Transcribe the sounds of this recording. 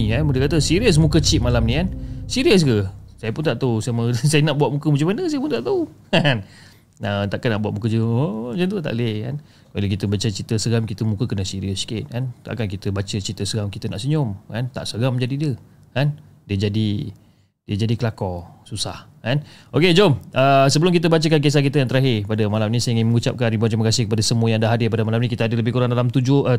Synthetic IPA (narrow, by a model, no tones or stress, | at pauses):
kanmudəkat̪əsiɾiəs̬mũkət͡ʃit̪̚malamnĩkansiɾiəs̬ɡəsajəpʊnt̪aʔt̪ausaməsajənaʔbuatʔ̪̚mukəmə̃t͡ʃumanəsajəpʊnt̪aʔt̪aukan | ət̪aʔkanaʔbuaʔ̪̚mũkəd͡ʒəod͡ʒant̪ut̪a̰ʔləka̰n | kalak̬it̪əbat͡ʃət͡ʃit̪əsəɡamkit̪əmũkəkənəsiɾiəskɪt̪̚kant̪a̰ʔkankit̪əbat͡ʃət͡ʃit̪əsəɡamkit̪ənaʔsəɲʊmkant̪a̰ʔsəɡamd͡ʒadidiə | kan | diəd͡ʒadi | diəd͡ʒadikəlakɔsusahkanʔoked͡ʒomʔəsəbəlʊmŋkit̪̬əbat͡ʃəkank̬es̬ahk̬it̪əjaŋt̪əɾaɦɪpadəmalamnĩsajəiŋɪnməŋut͡ʃa̰p̚kanibuant̪ɾiməkasɪhkəpadasəmuəjaŋdaɦadɪpadəmalamnikit̪əadələbɪhkuɾaŋdalamt̪ud͡ʒʊə